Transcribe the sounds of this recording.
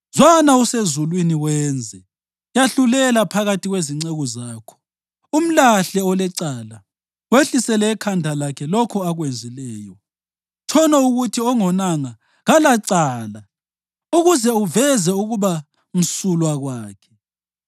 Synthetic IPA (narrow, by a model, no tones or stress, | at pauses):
z̥wanausezulwiniwɛnd͡zʱɛ | jaɬulɛlapʰaɣatʰiɣweziŋ͡ǀeɣɔzaːkʰɔ̥ | um̩laɬɛɔlɛǀaːla | weɬisɛlɛːkʰandʱalakʰɛlɔkʰɔaɣwend͡zʱilɛːjɔ | t͡ʃʰɔnɔuɣutʰiɔŋɔnaŋa | ɣalaǀaːla | uɣuzɛuvɛzɛuɣuβa | m̩sulwaɣwaːkʰɛ̥